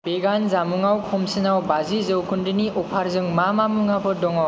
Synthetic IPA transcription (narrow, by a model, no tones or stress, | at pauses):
b̥eɡanzamuŋawkʰɔmsɯnawbazizɯwkʰundɯniɔpʰaɾzɯŋmamamuŋabʰɯdɔŋaw